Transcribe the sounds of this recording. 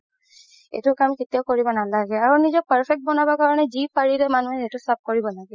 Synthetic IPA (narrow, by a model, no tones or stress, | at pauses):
ḛtʊkamketijaʊkoɹibɔnalaɡɛaɹunizɔpaɹpʰɛk̚t̚bɔnabɔkaɹɔnɛzipaɹilɛmanuɦɛetʊsap̚koɹibɔlaɡɛ